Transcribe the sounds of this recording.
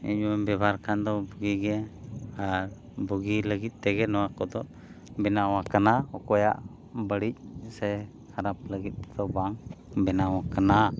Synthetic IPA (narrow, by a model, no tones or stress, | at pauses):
ḭɲwɛbɛbaɾkand̪ɔbuɡiɡɛaɾ | buɡiləɡit̪̚ˀt̪ːɛɡɛnɔwakɔd̪ɔʔ | bɛnawakanaɔkɔja̰ʔ | bəɽic̚sɛ | haɾap̚ləɡit̪̚ˀːɛd̪ɔbaŋbɛnawakana